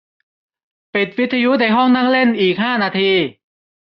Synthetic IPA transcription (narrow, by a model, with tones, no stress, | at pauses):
pi˨˩t̪̚wi˦˥t̪ʰːa˧ju˦˥da˧˩jɦɔ˥˩ŋna˥˩ŋle˥˩nʔiː˨˩k̚haː˥˩naː˧t̪ʰiː˧